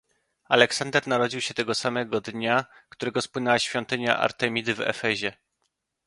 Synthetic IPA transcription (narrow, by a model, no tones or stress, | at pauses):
alɛksand̪ɛɾnaɾɔd͡ʑiwɕɛt̪ɛɡɔsamɛɡɔd̪ɲakt̪uɾɛɡɔspwɘnɛwaɕfʲjɔnt̪ɘɲa̰ʔa̰ɾt̪ɛmʲid̪ɘvɛ̰fɛʑɛ